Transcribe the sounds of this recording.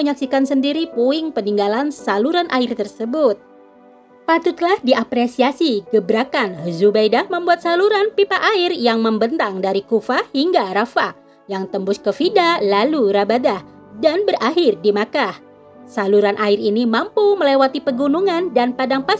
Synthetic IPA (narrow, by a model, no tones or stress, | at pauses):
əɲaksikansəndiɾipuɪŋpəniŋɡalansaluɾanʔaɪrt̪ərsəbʊt̪̚ | pat̪ut̪lahdiapɾesiasiɡəbɾakanɦəzubajdahməmbuat̪̚saluɾanpipaʔaɪrjaŋməmbənt̪aŋdaɾikufahiŋɡaɾafa | jaŋt̪əmbʊskəfidalaluɾabadah | danbərʔaɦɪrdimakah | saluɾanʔaɪrinimampuməlewat̪ipəɡunuŋandanpadaŋpa